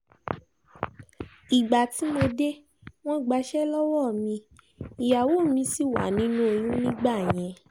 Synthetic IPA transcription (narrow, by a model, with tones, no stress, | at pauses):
i˨ɡ͡ba˨ti˨˦mo˧de˦ | w̃ɔ̃˦˨ɡ͡ba˧ʃɛ˦lɔ˦wɔ˦˨mĩ˧ | i˨ja˨wo˦˨mĩ˧si˦˨wa̰˨˦nĩ˨˦nũ˦o˧jũ˦nĩ˦ɡ͡ba˦˨j̃ɛ̃˧